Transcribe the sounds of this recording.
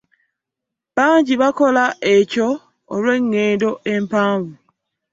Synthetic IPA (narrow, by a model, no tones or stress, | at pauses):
baːɲɟiβakolaecoː | lwe̞ŋːeːdo̞ʔempaːɱvu